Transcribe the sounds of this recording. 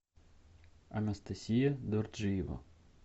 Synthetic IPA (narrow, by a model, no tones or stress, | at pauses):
ɐnɐst̪ɐsʲijɐd̪ɔrʒiʋɐ̰